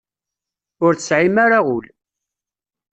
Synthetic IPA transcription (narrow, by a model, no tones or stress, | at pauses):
ʊɾθə̥sʕimaɾaʁʊl